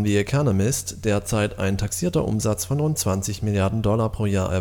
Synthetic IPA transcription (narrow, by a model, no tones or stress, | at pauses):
nviɛkʰɔnəmɪstd̥eːɐt͡saɪta̰ɪntʰaksiːɐtɐ̰ʔʊ̰mzat͡sfɔnʁʊnt̚t͡sv̥ant͡sɪçmɪljaɐdn̩dɔlapʁ̥oːjaːɐʔɛ̰ɐ